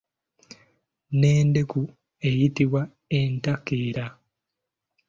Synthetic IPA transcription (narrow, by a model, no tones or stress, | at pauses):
ne̞ːndeku | e̞jitiβwa | entakeːɾa